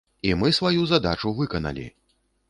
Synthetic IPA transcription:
imɨsvajuzad̪at͡ʂuvɨkɐnɐ̰lʲḭ

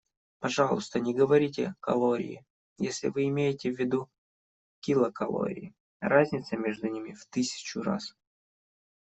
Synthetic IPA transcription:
pɐʐɑlˠʊst̪ənʲɪɡəvɐɾʲitʲɪkɐlˠoɾʲɪ̰ɪ̰ | jesʲlʲɪ̰vɨɪmʲejɪtʲɪvʲːɪd̪u | kʲilˠəkɐlˠo̰ɾʲɪ̰ɪ | razʲnʲɪt̪səmʲeʐd̪ʊnʲimʲɪft̪ɨsʲɪ̥t͡ɕʊra̰s

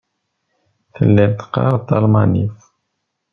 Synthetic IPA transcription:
θə̰lːilt̪qːɑ̰ɾˤt̪ːɑlmɑnif

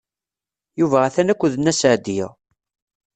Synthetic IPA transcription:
juvææθænækʷːuðənːæsəʕd̪ij̰

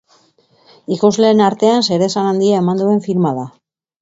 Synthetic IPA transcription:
ikozle̞ːnaɾt̪e̞anse̞ɾe̞sanand̪iae̞mand̪ue̞ɱfiɾmaða

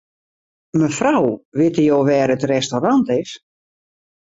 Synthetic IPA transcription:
məfrawʋɪtəjoːʋɛːrətrɛstorantɪs

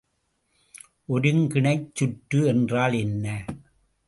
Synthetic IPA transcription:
ʔɔɾɯŋkɪɳɐɪt͡ʃːʊʈːɯɛndraːlɛnːɐ

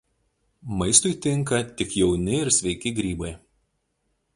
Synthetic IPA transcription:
mɐɪst̪ʊɪt̪ʲɪŋˑkɐt̪ʲɪkjɛʊnʲɪɪɾsʲʋʲɛɪkʲɪɡɾʲiːbɐɪ

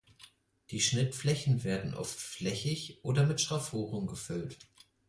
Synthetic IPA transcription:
d̥iːʃnɪtflɛçn̩veːɐdn̩ʔɔ̰ftflɛçɪçʔoːdɐmɪtʃtʁ̥afoːʁʊmɡəfʏlt

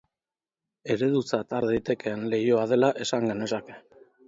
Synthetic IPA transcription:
e̞ɾe̞ðut͡sat̪aɾðajt̪e̞keːnle̞jo̞að̞e̞laʔe̞saŋɡene̞sake̞

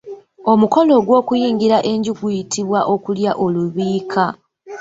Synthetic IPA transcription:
o̞muko̞lo̞ɡwo̞ːkujiːŋɡiɾaʔe̞ɲɟuɡujitʰiβwaʔo̞kuljaʔo̞luβiːkʰa

